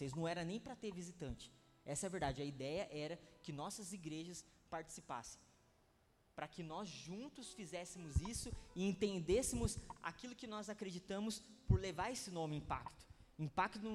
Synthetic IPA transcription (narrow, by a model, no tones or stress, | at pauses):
osejznɐ̃w̃ɛɾɐnẽj̃pɾɐt̪eɾvizit̪ɐ̃t͡ʃɪ̥ | ɛsɐɛveɾd̪ad͡ʒɪɐid̪ɛjɐʔɛɾɐkɪnɔsɐziɡɾeʒɐs | paɾt͡ʃi̥sipa̰sẽ̥j̃ | pɾɐkɪnɔzʒũnt̪ʊsfizɛsɪmʊzisʊɪẽnt̪ẽnd̪esɪmʊsa̰kilʊkɪnɔzakɾed͡ʒit̪ɐ̃mʊspʊɾlevaɾesɪnõmɪĩpa̰kt̪ʊ̥ĩpakt̪ʊ